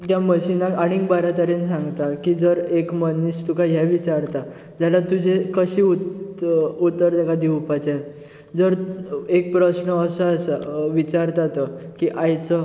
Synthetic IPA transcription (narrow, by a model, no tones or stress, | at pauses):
t̪jaməɕinãkaɽ̃ikbaɾat̪əɾens̬ãŋɡt̪akid͡zəɾekmənːist̪ukajɦɛʋit͡ɕaɾt̪a | d͡ʑalat̪ud͡ʑʱekəɕiːu | ut̪ːəɾt̪akad̪iupat͡ɕa | d͡zəɾek̚pɾəɕɳəːsəːsəʋit͡ɕaɾt̪at̪ɔkiʔajt͡sɔ